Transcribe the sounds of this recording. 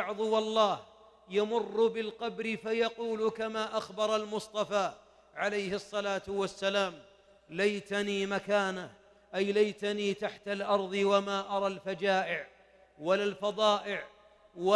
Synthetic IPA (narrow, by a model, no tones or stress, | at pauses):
ʕðˤʊwɑlˤːɑːh | jamʊrːbɪlqɑbɾɪfajɑquːlkamaːʔaxbɑɾˤɑlmʊsˤt̪ˤɑfaː | ʕalajhɨsˤːɑlaːt̪wasːalaːm | lajt̪aniːmakaːnah | ʔajlajt̪aniːt̪aħt̪alʔɑɾˤðˤɨwamaːʔɑɾˤɑlfad͡ʒaːʔɪʕ | walalfɑðˤɑːʔɪʕ | wa